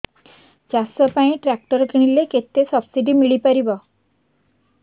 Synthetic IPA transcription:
d͡ʒasɔpaĩʈɾak̚ʈɔɾɔkiɽ̃ileket̪esɔbsiɖimiɭipaɾibɔ

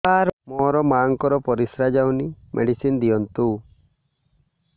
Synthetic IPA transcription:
aɾmɔɾɔmaŋkɔɾɔpɔɾisɾad͡ʒawnimʔḛɽisind̪ijɔnt̪u

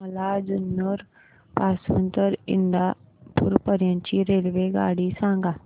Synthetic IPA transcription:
məlaːd͡ʒʊnːəɾ | paːsʋənt̪əɾɪ̰ɳd̪aː | pʊ̰ɾpəɾjãːɲt͡ʃiːɾeːlʋeːɡa̰ːɽiːsãːŋɡaː

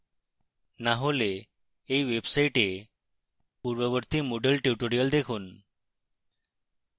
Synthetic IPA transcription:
naɦoleː | iʋebsaiʈe | puɾʋəʋəɾt̪imoɖəlʈjuʈoɾijəld̪ekʰuːn

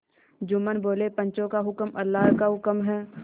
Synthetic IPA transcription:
d͡ʒʊmənboːlepə̃ɲt͡ʃõkaɦʊkmɐlːaːɦkaɦʊkəmɦɛː

